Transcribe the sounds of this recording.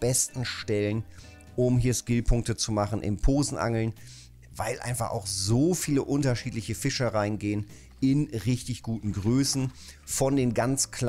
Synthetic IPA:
b̥ɛstn̩ʃtɛlən | ʔʊmɦiːɐʃkɪlpʰʊŋk̚tət͡sumaχn̩ʔɪ̰mnpʰoːzn̩ʔa̰ŋl̩n | va̰ɪlʔa̰ɪnfaχa̰ʊxzoːfiːləʔʊntɐʃiːtlɪçəfɪʃəʁaɪənɡeːən | ɪnʁɪçtɪçɡ̥uːtn̩ɡʁøːsn̩fɔndeːnɡant͡skʰl

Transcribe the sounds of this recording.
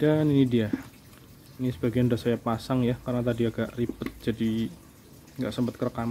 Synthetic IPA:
d̥aninidia | inisəbaɡiandosajapasaŋjakarənat̪adiaɡaʔripət̪̚d͡ʒadi | ŋɡaʔsəmpət̪̚kərkam

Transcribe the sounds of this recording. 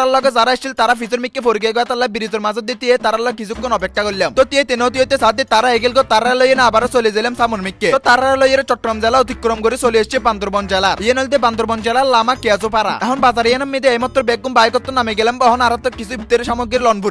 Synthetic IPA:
alɔɡɔd͡zaɾaeʃt͡ʃʰilt̪aɾapʰisɔɾmikːefʰoɾiɡieɡɔjat̪alːabiɾid͡z̪ɔɾmad͡zɔd̪ːit̪iet̪aɾalɔkisʰukːonɔpekʰːakollamt̪ɔt̪iet̪enot̪iot̪esad̪it̪aɾaeɡilɡɔt̪aɾaɾlojenabaɾɔsoliezelemsamoɾmikːet̪ɔt̪aɾaɾlojeɾet͡ʃɔʈːɾɔmd͡zɛlaot̪ikːɾɔmkoɾisolieʃt͡ʃʰieband̪ɔɾbɔnd͡ʒalaɾienɔlt̪eband̪ɔɾbɔnd͡ʒalaɾlamakead͡zopaɾa̰ɛɦɔnbazaɾijanamːid̪eejmat̪ːɾɔbeɡːumbajkɔt̪ːɔnameɡɛlɛmbɔɦɔnaɾat̪ɔkisʰuit̪ːeɾeʃamoɡɾiɾlɔnbʱuɾi

